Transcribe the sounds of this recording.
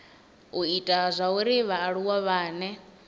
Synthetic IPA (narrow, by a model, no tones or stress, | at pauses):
uitʼazʷauɾiβaːɺuwaβaːnɛ